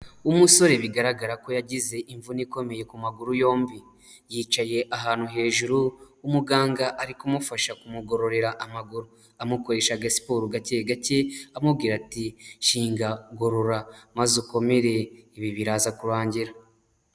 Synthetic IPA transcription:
umuso̞ɾe̞βiɡaɾaɡaɾako̞jaɟize̞ʔiɱvuniko̞me̞je̞kumaɡuɾujo̞ːmbi | jiːt͡ʃaje̞ʔaɦaːn̥uɦe̞ːʒuɾuː | muɡaːŋɡaʔaɾikumufaʃakumuɡo̞ɾo̞ɾe̞ɾaʔamaɡuɾu | amuko̞ɾe̞ːʃaɡasi̥poɾuɡace̞ɡace̞amubɡiːɾatiʃiːŋɡaɡo̞ɾo̞ɾamazuko̞me̞ɾe̞iβiβiɾaːzakuɾaːɲɟiɾa

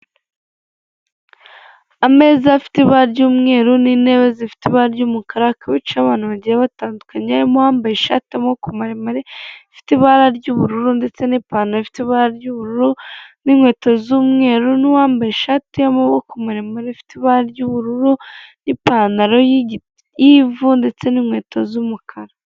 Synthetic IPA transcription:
ame̞ːzafi̥tiβaɾaɾɟuːmŋe̞ːɾunine̞βezifi̥tiβaːɾaɾɟumukaɾakʰaβit͡ʃaβaːn̥huβaɟiɾeβataːndukaɲeaɾimohaːmbajeʃatemokumaɾemaɾeifi̥tiβaɾaɾɟuβuɾuɾunde̞t͡se̞nipaːnaɾoifi̥tiβaɾaɾɟuβuɾuɾuninŋwe̞ːtozuːmŋe̞ːɾuniwaːmbajeʃatejamoβokumaɾemaɾefi̥tiβaɾaɾɟuβuɾuɾunipanaɾo̞ji | jivunde̞t͡se̞niːnwe̞ːtʰozumukʰaɾa

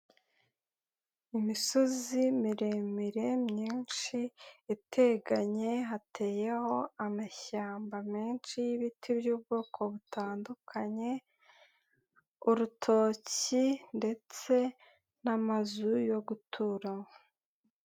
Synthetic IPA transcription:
imiso̞zimiɾe̞miɾe̞mɲiːnʃiːtʰe̞ɡaɲe̞ɦatʰe̞ːje̞ho̞amaçaːmbamiːnʃijiβitʰibjuːb̚ɡoːkʰo̞βutʰaːndukʰaɲe̞ | uɾutʰo̞ːcinde̞t͡se̞ | namazujo̞ɡutʰuɾa

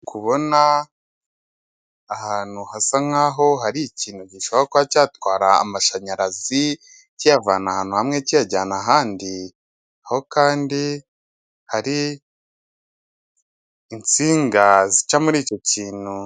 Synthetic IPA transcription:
kʰuβo̞na | haːnuhasaŋaːɦo̞ɦaɾiciːn̥huɟiʃoβoɾakwacaːtwaːɾa̰ːmaʃaɲaɾazi | cijavaːnahaːnuhamŋecijaɟaːnaɦaːndi | aho̞kaːndi | haɾi | nt͡siːŋɡazit͡ʃamuɾiːco̞ciːn̥hu

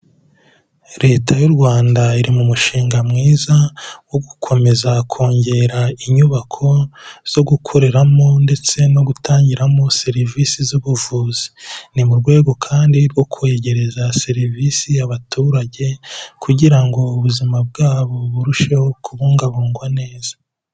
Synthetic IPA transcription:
ɾe̞ːtʰajuɾɡwaːndaiɾimumuʃiːŋɡamŋiːzawoɡukʰo̞me̞zakʰo̞ːɲɟe̞ɾaiɲuβakʰo̞z̥o̞ɡukʰo̞ɾe̞ɾamo̞nde̞t͡se̞no̞ɡutʰaːɲɟiɾamo̞se̞ɾivisizuβuvuːzi̥nimuɾɡwe̞ːɡo̞kʰaːndiɾwo̞kʰueɟe̞ɾe̞zase̞ɾivisijaβatʰuːɾaɟe̞kʰuɟiɾaŋɡo̞uβuzimab̚ɡaːβo̞βuɾuʃehokʰuβuːŋɡaβuːŋɡwane̞ːz̥ḁ

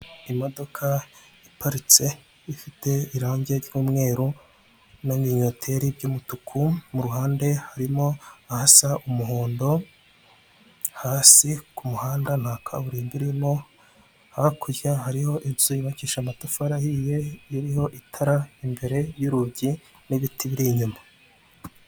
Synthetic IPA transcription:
imo̞do̞kʰa | ipaɾit͡se̞ | ifite̞iɾaːɲɟeɾɟuːmŋe̞ːɾu | namiɲotʰe̞ɾiɾɟuːmutukʰumuɾuhaːnde̞haɾimo̞ahasaʔumuɦoːndo̞ | haːsikumuhaːndan̥haːkʰaβuɾiːmbiɾimo̞ | hakʰuɾjahaɾiho̞ʔiz̥uiβaciʃamatufaɾahiːje̞iɾiho̞ʔitʰaɾaimbe̞ɾe̞juɾuɟi | niβitʰiβiɾiɲuma

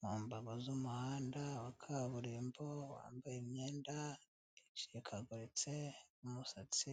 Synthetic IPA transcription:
muːmbaɡozumuhaːndawakʰaβuɾiːmbowa̰ːmbajimɲeːnda | it͡ʃiekʰaɡuɾit͡seumusat͡si

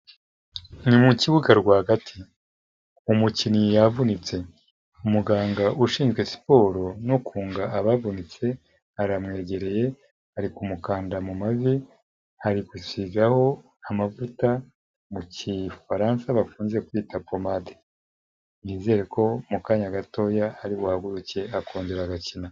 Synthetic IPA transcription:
nimuciβuɡaɾɡwaːhɡatʰi | umucinijavunit͡se̞ | umuɡaːŋɡaʔuʃiːnzɡwe̞si̥po̞ːɾo̞nukʰuːŋɡaʔaβavunit͡se̞ | haɾamŋe̞ːɟe̞ɾe̞je̞ | haɾikumukaːndamumazi | haɾikusizaho̞ | amavuta | mucifaɾansaβafuːnzekwiːtapomade | niːze̞ɾekʰo̞mukaːɲaɡato̞ːjahaɾiβuhaɡuɾuce̞akʰuːɲɟeɾaɡacina

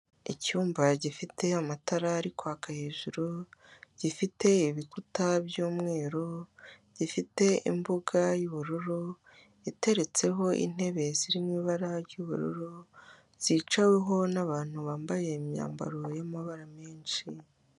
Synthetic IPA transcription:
icuːmbaɟifitʰeamataɾaːɾikʰoakahe̞ːʒuɾoɟ̥ifite̞iβikutabjuːmŋe̞ːɾo | ɟifite̞ḭmbuɡajuβuɾuɾo | ite̞ɾe̞t͡se̞ɦo̞ʔḭn̥he̞βe̞ziɾimiːβaɾaɾɟuβṵɾṵɾo | z̥iːt͡ʃawe̞ɦo̞naβaːn̥huβaːmbaje̞imɲa̰ːmba̰ɾojamaβaɾame̞ːnʃi

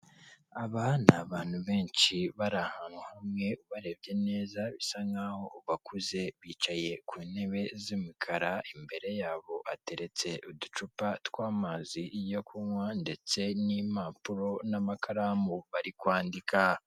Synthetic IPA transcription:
aβanaβaːn̥huβe̞ːnt͡ʃiβaɾahaːnhuhamŋe̞uβaɾe̞bɟe̞ne̞ːzaβisaŋɡaho̞uβakuze̞βiːt͡ʃaje̞kʰuːne̞βe̞zimikʰaɾaimbe̞ɾe̞jaːβo̞ʔate̞ɾe̞t͡se̞ʔudut͡ʃupatwaːmazijokumwande̞t͡se̞nimapuɾo̞namakʰaɾaːmuβaɾikwaːndikʰa

